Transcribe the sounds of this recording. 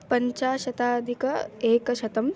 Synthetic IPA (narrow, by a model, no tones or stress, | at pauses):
pɐɲt͡ʃaːʃɐt̪aːd̪ʱikɐeːkɐʃɐt̪ɐm